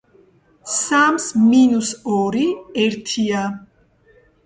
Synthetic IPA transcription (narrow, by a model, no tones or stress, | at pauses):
samsminusɔɾiɛɾt̪ʰia